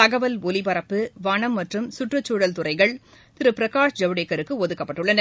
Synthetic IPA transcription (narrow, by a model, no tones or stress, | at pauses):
t̪ɐɣɐʋɐlɔlɪpɐɾɐpːɯʋɐɳɐmːɐʈrɯmsʊʈrɯt͡ʃːuːɽɐlt̪ʊrɐɪɣɐɭ | t̪ɪɾɯpɪɾɐkaːʂd͡ʒɐʋɯɽekːɐɾɯkːɯɔðɯkːɐpːɐʈːɯɭːɐnɐ